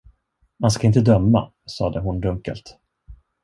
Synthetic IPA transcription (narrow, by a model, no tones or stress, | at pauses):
manskaɪnt̪əd̪œmːa̰ | sɑːd̪əɦʊnd̪ɵŋkə̰lt̪